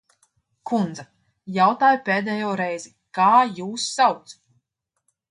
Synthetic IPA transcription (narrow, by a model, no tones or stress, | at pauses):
kʰund̪za | jawt̪aːjupeːd̪ɛːjɔːɾɛjzi | kaːjuːsːawt̪s